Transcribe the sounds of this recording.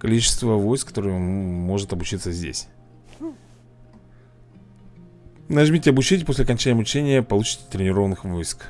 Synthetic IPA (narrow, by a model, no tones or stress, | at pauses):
kɐlʲit͡ɕɪ̥st̪vəvo̞jskːɐt̪o̞ɾɨjmo̞ʐɨt̪ɐbʊt͡ɕit̪səzʲdʲḛsʲ | nɐʐmʲitʲɪɐbʊt͡ɕætʲposʲlʲɐkɐnʲt͡ɕænʲɪjəmʊt͡ɕænʲɪjəpɐlˠut͡ɕɪ̥tʲɪ̥t̪ɾʲɪnʲɪɾo̞vənɨxvo̞jsk